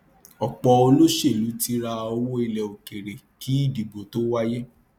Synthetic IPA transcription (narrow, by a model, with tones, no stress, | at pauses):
ɔ˨k͡pɔ˧o˧lo˦ʃe˦˨lu˨˦ti˦ɾa˧o˧wo˦i˧lɛ˨o˨ke˨ɾe˨ | ki˨˦i˦˨di˨bo˨to˦wa˦je˦